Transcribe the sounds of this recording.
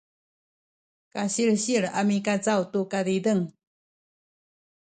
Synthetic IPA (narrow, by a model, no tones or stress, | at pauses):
kaɕiɭɕiɭamikat͡sawtukadidəŋ